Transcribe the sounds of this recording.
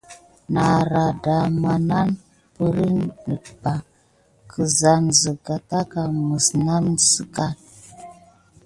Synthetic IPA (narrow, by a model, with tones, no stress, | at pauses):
na˨ɾa˨da˨ma˨na˦n | pə˦ɾi˦ndə˨ba˨ | kʰə˨za˨nzə˨ka˨ta˦ka˨mə˨sna˦msə˦ka˦t̚